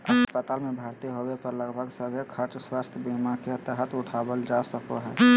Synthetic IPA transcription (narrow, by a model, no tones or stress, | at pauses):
əpət̪aːlmẽbʱaːɾt̪iɦowepəɾləɡbʱəɡsəbʱjəkʰəɾt͡ʃswaːst̪ʰəbimakeət̪əɦət̪ʰʊʈʰaːbəld͡ʒasəkoɦɛː